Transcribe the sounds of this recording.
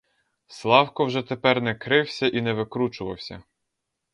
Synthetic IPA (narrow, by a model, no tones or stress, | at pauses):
slˠɑwkɔwʒɛt̪epɛrnɛkɾɪwsʲɐʔinɛʋɪkɾut͡ʃʊʋɐ̰wsʲɐ̰